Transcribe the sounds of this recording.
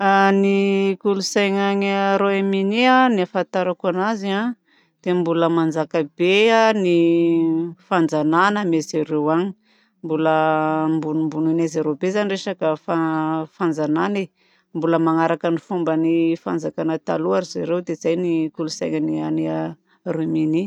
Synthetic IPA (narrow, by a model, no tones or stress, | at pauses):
anikulusajŋaɲaɾoeminianiafant̪aɾakanazia | d̪̥embuləmand͡zakəbeani | fand͡zananəmezaɾewaɲi̥ | mbuləmbunumbununazaɾobezanireʃakəfafand͡zanane | mbuləmaŋaɾakənifumbənifand͡zakanət̪a̰luaɾizaɾewd̪ezajnikulusajŋaniania | roemini